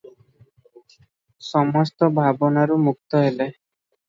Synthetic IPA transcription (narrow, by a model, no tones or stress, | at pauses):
sɔmɔst̪ɔbʱabɔnaɾumuk̚t̪ɔɦele